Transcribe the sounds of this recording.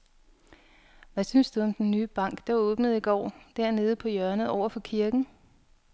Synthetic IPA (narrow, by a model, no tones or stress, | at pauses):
ʋæsynsd̥uɒ̽md̥enːyːb̥ɑ̈ŋ̰ɡ̥d̥ɑ̈o̽ːb̥nəð̩ˠiɡ̥ɒ̰ːd̥æɐne̝ːð̞̩ˠəpʰɒ̽jœɐnəð̩ˠɒʊ̰ɐfɒ̽kʰiɐɡ̥n̩